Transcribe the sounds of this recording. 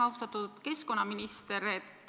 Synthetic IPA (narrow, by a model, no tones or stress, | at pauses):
ɑwht̪ɑt̪ːˑud̪̥ke̞sko̞nːɑminist̪e̞ɾet̪ː